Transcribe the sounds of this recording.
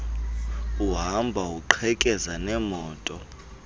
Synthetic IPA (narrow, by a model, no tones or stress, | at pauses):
uɦambʱauǃʰɛkʼɛzanɛmɔːtʼɔ